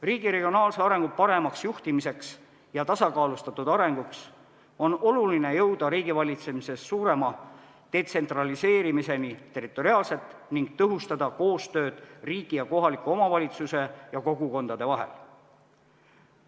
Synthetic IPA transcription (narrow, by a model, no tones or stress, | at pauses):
riːɡ̥iɾe̞ɡ̥io̞nɑːlseɑɾe̞ŋɡ̥upɑɾe̞mɑksjuht̪imise̞ks | jɑt̪ɑsɑkɑːlust̪ɑt̪ːud̪ɑɾe̞ŋɡ̥uks | o̞no̞luline̞jɤwd̪̥ɑɾiːɡ̥ivɑlʲit̪se̞mise̞sːuːɾe̞mɑ | d̪̥e̞t̪se̞nt̪rɑlise̞ːɾimise̞nit̪e̞rit̪ːˑo̞ɾiɑːlse̞t̪ˑniŋɡ̥̚t̪ɤɦust̪ɑd̪ɑko̞ːst̪ø̞ːd̪̥riːɡ̥ijɑko̞ɦɑlikːˑuo̞mɑvɑlʲit̪suse̞jɑko̞ɡ̥uko̞nd̪̥ɑd̪̥e̞vɑɦe̞̰l